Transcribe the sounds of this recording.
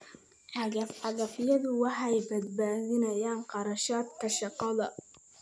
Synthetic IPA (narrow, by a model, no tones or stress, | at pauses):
ʕɑɣɐfħɑðɐfɪjɐðʊwɑħɑjbɐd̪̚baːðɪnɐjaːnqɑɾɑʃaːt̪kʰɐʃɑqːɑðɐ